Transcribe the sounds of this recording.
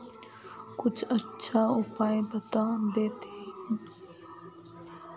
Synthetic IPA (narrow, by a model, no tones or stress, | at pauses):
kʊt͡ʃʰətːʃʰaʊpaːjebət̪aːd̪eːt̪eɦ